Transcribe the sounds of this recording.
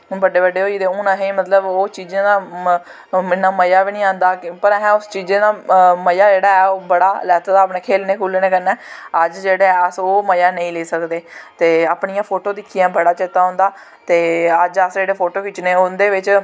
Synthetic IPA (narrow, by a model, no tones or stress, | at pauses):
bəɖeːbəɖːeːɦoːid̪eːʊnãːɦẽːmət̪ləboːt͡ʃiːd͡ʒẽːd̪aː | ɪnːaːməjaːʋiːnĩːãːnd̪aːpəɾɛɦɛ̃ːʊst͡ʃiːzẽːd̪aːməjaːd͡ʒeːɽaːɛːoːbəɽaːlɛːt̪ːd̪aːpneːkʰeːlnẽːkʰuːlnẽːkəɾnɛːəd͡ʒd͡ʒeːɽeːɛːəsoːməjaːnəĩːleːsəkd̪eːt̪eːaːpɳijãːpʰoːʈoːd̪ɪkʰːiãːbəɽaːt͡ʃet̪aːɦʊ̃ːnd̪aː | t̪eːəd͡ʒəsd͡ʒeːɽeːpʰoːʈoːkɪt͡ʃnẽːʊnd̪eːʋɪt͡ʃ